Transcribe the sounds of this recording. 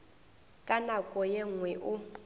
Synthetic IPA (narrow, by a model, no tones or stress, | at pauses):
kʼanakʼɔjɛŋwɛʔʊ